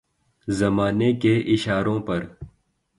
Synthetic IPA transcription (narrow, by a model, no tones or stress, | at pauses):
zɐmaːnekeʔɪʃaːɾõːpɐɾ